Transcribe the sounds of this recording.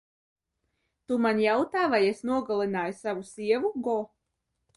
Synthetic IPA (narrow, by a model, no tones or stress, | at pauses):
t̪umanjawt̪aːvajesnuɔɡalˠinaːjusavusiɛvuɡɔ